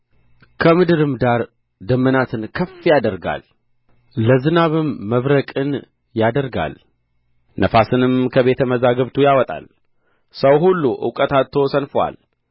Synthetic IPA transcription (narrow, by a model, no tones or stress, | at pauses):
kʰəmɨd̪ɨɾɨmd̪aɾ | d̪əmːənat̪ʰɨnkʰəfːijad̪əɾɡa̰l | ləzɨnaβɨmːəβɾəkʼɨn | jad̪əɾɡa̰l | nəfasɨnɨmkʰəβe̞t̪ʰəməzaɡəβt̪ʰujawɔt̪ʼa̰l | səwɦulːuʔɨ̰wkʼət̪at̪t̪ʰːosənfwa̰l